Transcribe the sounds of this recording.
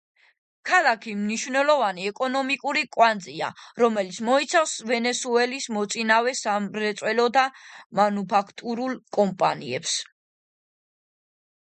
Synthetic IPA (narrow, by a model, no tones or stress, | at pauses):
kʰalˠakʰimniʃvnɛlˠɔvaniɛkʼɔnɔmikʼuɾikʼwand̪zia̰ɾɔmɛlit̪sʰmɔit̪sʰafsvɛnɛsuɛlismɔt̪sʼinavɛsamɾɛt̪sʼwɛlɔd̪amanupʰakʰt̪ʼuɾulˠkʼɔmpʼanḭɛ̰ps